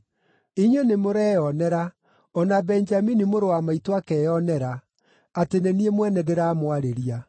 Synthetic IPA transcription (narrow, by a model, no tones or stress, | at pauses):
iɲenemoɾɛːjɔnɛɾa | ɔnabɛnd͡ʒaminimoɾowamaitwakɛjɔnɛɾa | ateneniemwɛnɛdeɾaːmwaɾeɾia